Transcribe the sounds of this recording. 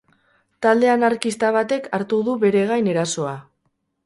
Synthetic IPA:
t̪ald̪e̞anaɾkist̪aβ̞at̪e̞kʰaɾt̪uðuβe̞ɾe̞ɣ̞ajne̞ɾaso̞a

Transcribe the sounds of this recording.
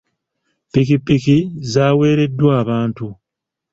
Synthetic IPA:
pik̬ipikizaːwe̞ːɾe̞dːwaːβaːntu

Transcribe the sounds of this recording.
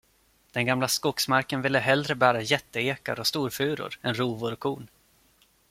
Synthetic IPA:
d̪̥ɛnɡamlaskɔksmaɾkənvɪlːəɦɛld̪ɾəbæːɾajɛt̪ːəeːka̰ɾɔst̪uːɾfʉ̟ːɾʊ̰ɾɛnɾuːvʊɾɔkʰuːn

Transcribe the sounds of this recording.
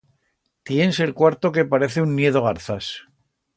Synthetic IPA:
t̪je̞nse̞lkwaɾt̪o̞ke̞paɾe̞θeunːje̞ðoɣaɾθas

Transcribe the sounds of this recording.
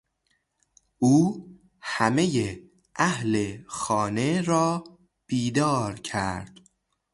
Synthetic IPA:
ʔuː | hæme̞je | ʔæhlexɒːne̞ɾɒː | b̥iːd̪ɒːɾcʰæ̰ɾɾd̪̥

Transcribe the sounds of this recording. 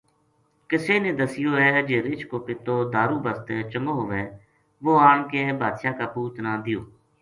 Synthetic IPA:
kɪseːnẽːd̪əsɪjoːɛːd͡ʒeːɾɪt͡ʃkoːpɪt̪oːd̪aːɾuːbəst̪ɛːt͡ʃəŋɡoːɦoːʋeː | ʋoːaːɳkeːbʱaːd̪ʃaːkaːpuːt̪nãːd̪ɪjoː

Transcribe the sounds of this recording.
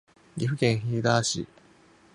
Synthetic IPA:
iɸɯ̟kẽɰ̃çiːd̪aːɕḭ

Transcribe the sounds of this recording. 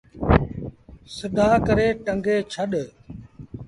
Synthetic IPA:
sɪd̪ʱaːkəɾeːʈəŋɡeːt͡ʃʰəɗ

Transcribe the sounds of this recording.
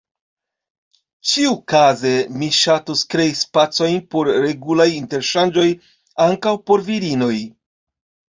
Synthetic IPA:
t͡ʃiukaze̞miʃatuskɾe̞ispat͡so̞jnpo̞ɾɾe̞ɡulajinte̞ɾʃand͡ʒo̞j | aŋkawpo̞ɾviɾino̞j

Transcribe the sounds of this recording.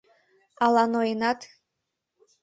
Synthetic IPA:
alˠanoenat̪ʰ

